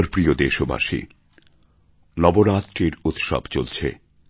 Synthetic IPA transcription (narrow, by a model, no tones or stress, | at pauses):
ɾpɾiod̪eʃoba̰ʃḭ | nɔboɾat̪ɾiɾut̪ʃɔ̰bt͡ɕolt͡ɕʰḛ